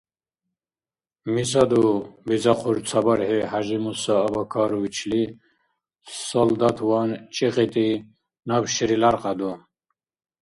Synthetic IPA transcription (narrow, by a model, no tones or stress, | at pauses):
mizad̪ubizaqʰuɾt͡sʰabaɾhɛhaʒimusaːbakʰɑːɾuit͡ʃʰli | sɔld̪at̪ʰwant͡ʃʼiqʼit̪ʼi | nabʃiɾilaɾqʼad̪ɔ